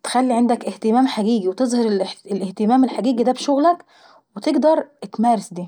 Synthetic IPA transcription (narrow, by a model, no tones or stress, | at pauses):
t̪e̥xælːiʕend̪ækʔeht̪emæːmħaɡiːɡiwet̪ezˤhɑɾlelʔeht̪emæːmelħaɡiːɡid̪æbʃoɣlæk | wet̪eɡd̪ɑɾˤt̪mæːɾesd̪iː